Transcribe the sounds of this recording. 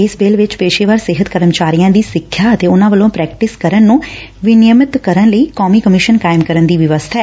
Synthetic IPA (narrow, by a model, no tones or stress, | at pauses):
ɪsbeːlʋɪt͡ʃpeːʃeːʋaːɾsɪɦət̪kəɾəmt͡ʃaːɾijãːd̪iːsɪkʰːjaːət̪eːʊnãːʋəlõːpɾɛːk̚ʈɪskəɾənːũː | ʋɪnɪjəmɪt̪kəɾənləiːkɔːmiːkəmɪʃənkaːɪmkəɾənd̪iːʋɪʋəst̪ʰaɛː